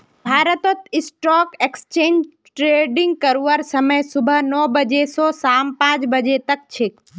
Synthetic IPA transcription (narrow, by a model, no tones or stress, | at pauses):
bʱaːɾət̪ot̪ɪsʈɔkekst͡ʃẽːɲd͡ʒ | ʈɾeɖĩŋɡ̚kəɾuʋəɾsəməjsʊbʱənɔbəd͡ʒesɔsampãt͡ʃbəd͡ʒet̪ək̚t͡ʃʰe